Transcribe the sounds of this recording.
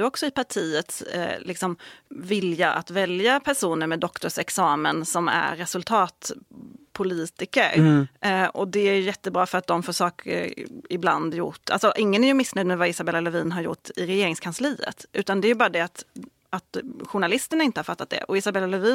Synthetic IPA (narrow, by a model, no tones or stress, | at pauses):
ɵɔksɔɪpaʈʰiːət̪slɪksɔmvɪljaʔa̰t̪vɛljapʰæʂuːnəɾmɛd̪ːɔkt̪ʊʂɛksɑːmənsɔmæ̰ɾːɛsɵlt̪ʰɑːt̪pʰʊliːt̪ɪkəɾ | ɔd̪ɛæjɵjɛt̪ːəbɾɑːfœɾat̪̚d̪ɔmfoːʂɑːkʰəɪbla̰nd̪jʊ̰ʈːa̰lsɔʔɪŋːənæɾjɵmɪsːnœʏjd̪mɛvaɪsabɛlːalɛviːnɦaɾjʊ̰ʈːɪɾɛjeːɾɪŋskʰansliːə̰t̪ʔʉ̟ːt̪and̪ɛːjɵbɑːɾad̪ɛat̪ | at̪ɧʊɳalɪst̪əɳaɪnt̪əhaɾfat̪ːat̪d̪ɛ̰ʔɔɪsabɛlːalɛviː